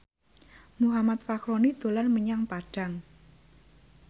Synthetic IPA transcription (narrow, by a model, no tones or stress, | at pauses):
muɦamat̪fakɾonid̪̥o̤lanməɲaŋpaɖ̥a̤ŋ